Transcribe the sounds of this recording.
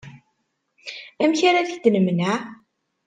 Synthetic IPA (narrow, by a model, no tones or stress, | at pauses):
æmçaɾaðəçd̪ənəmna